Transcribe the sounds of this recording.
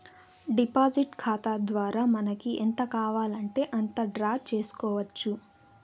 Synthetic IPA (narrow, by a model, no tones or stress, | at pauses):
ɖipaːd͡ʒiʈkʰaːt̪ad̪ʋaːɾaːmɐnɐkiʔent̪ɐkaːʋaːlɐɳʈe̞ːʔɐnt̪ɐɖɾaːt͡ʃe̞ːsu̥kɔːʋɐt͡ʃːu